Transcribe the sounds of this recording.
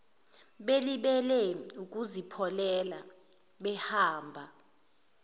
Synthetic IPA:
ɓeliɓɛlɛuk̬ʼuzipʰɔlɛla | ɓɛhaːmbʱa

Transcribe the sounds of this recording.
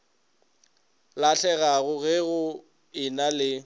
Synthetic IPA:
laɬʰɛɣaɣʊɣɪɣʊ | ɪnalɪ

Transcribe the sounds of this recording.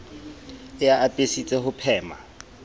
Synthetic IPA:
ɪjaːtʼesit͡sʼɛhʊpʰɛːma̰

